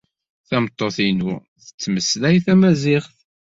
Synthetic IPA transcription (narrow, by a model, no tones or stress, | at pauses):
θæmət̪ˤːoθinu | θə̥t͡sːməslæjθæmæzɪχθ